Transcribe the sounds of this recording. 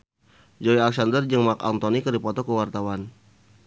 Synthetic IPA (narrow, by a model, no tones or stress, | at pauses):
d͡ʒoialɛk̚sandərd͡ʒəŋmaka̰nt̪ɔnikɨrdipɔt̪ɔkəwart̪awan